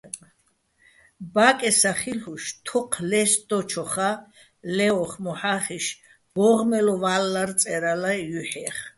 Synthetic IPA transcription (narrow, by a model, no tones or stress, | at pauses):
bakʼɛsaχilhuʃt̪ʰɔqʰlɛsd̪ɔt͡ʃʰɔχa | lɛɔχmɔħaχiʃ | b̥ɔʁmɛlɔvalːaɾt͡sʼɛɾalajuħɛχ